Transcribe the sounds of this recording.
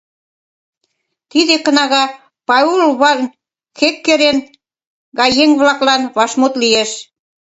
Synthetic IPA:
t̪id̪ekɤ̆nɑɣɑ | pɑulβɑln | xekːeɾen | ɡɑjeŋβlɑklɑnβɑʃmut̪lieʃ

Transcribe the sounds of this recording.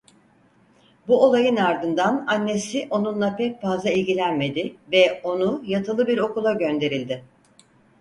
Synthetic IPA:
buo̞lˠajɯnaɾd̪ɯnd̪ananːe̞siʔo̞nunlˠapʰɛc̚fazˠailʲɟilʲænme̞d̪ɪvɛo̞nujat̪ʰɯlˠɯbiɾo̞kulˠaɟø̞nd̪e̞ɾilʲd̪ɪ

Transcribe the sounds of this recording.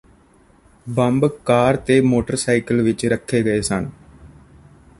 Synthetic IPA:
bəmbkaːɾt̪eːmoːʈəɾsaːikəlʋɪt͡ʃɾəkʰːeːɡəeːsən

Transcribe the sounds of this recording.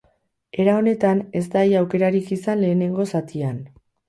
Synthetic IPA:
e̞ɾao̞ne̞t̪ane̞st̪ajawke̞ɾaɾikisanle̞ːne̞ŋɡo̞sat̪ian

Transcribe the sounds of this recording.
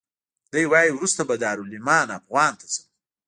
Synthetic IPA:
d̪̥əjwɑːjiwɾust̪abad̪ɑːɾulimɑːnapɣwɑːnt̪ḁsə

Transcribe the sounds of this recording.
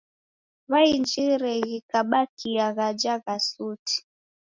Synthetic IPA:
βaind͡ʒiɾɛɣikaɓakiaɣad͡ʒaɣasuti̥

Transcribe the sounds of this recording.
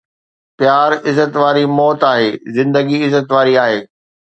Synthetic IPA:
pjaːɾɪzət̪ʋaːɾimɔːt̪aːɦeːzɪ̃nd̪əɡiɪzət̪ʋaːɾiaːɦeː

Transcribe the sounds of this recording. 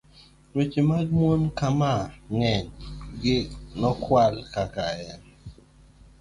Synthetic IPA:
nwet͡ʃemamwonkamaŋɛɲɡɪnɔkwalkakaɛn

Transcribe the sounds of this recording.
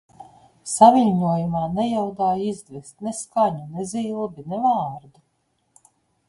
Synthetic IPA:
saviʎʲɲuɔjumaːnɛjawd̪aːjizd̪vɛst̪nɛskaɲuneziːlˠbinɛvaːɾd̪u

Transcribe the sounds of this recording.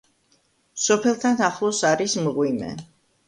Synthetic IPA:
sɔpʰɛlˠt̪ʰanaχlˠɔsaɾismʁwimɛ̰

